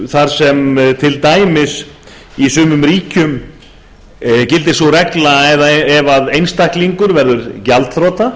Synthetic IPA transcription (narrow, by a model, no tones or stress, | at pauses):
θaɾ̥sɛmt̪ʰɪlt̪aːjmɪs | isʏːmʏmɾiːcʏm | cɪlt̪ɪsɔrɛklaɛðaɛvaðejnst̪ahkliŋkʏɾvɛɾðʏɾcalt̪θɾɔːt̪a